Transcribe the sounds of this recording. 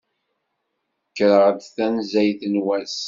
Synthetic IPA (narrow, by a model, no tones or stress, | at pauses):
kːɾəʁd̪θænzæjθənwæs